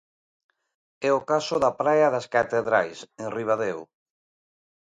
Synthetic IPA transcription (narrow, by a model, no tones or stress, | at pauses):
ɛokasʊðapɾajaðaskat̪eðɾajsẽŋriβ̞aðew